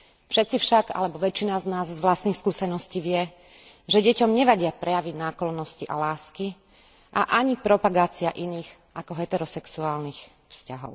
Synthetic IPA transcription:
fʃɛt̪t͡sifʃaɡa̰lɛbɔʋɛt͡ʃinaznaːzzʋlast̪niːxskuːsɛnɔsciːʋɪɛ | ʒɛɟɛcɔmɲɛʋaɟɪapɾɛjaʋiɟnaːklɔnːɔsciʔa̰laːski | ʔa̰ʔaɲipɾɔpaɡaːt͡siaʔiniːx | ʔakɔɦɛt̪ɛɾɔsɛksuaːlnix | fscaɦɔ̰ʊ

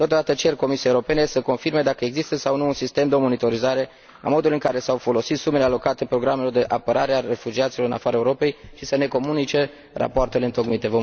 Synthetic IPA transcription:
t̪ot̪od̪at̪ət͡ʃe̞rko̞misiaeuɾo̞pe̞ne̞səko̞nfirme̞d̪akəeɡzist̪əsawnuːnsist̪e̞md̪eomo̞nit̪o̞ɾizaɾe̞ | a̰mo̞d̪ulɨŋkaɾe̞sawfo̞lo̞sit̪sumele̞alo̞kat̪e̞pɾo̞ɡɾamelo̞rd̪e̞ʔapəɾaɾeaɾe̞fud͡ʒiat̪siloɨna̰faɾaeuɾo̞pe̞jʃisəne̞ko̞munit͡ʃe̞ | ra̰poart̪eleɨnt̪o̞ɡmit̪e̞vo

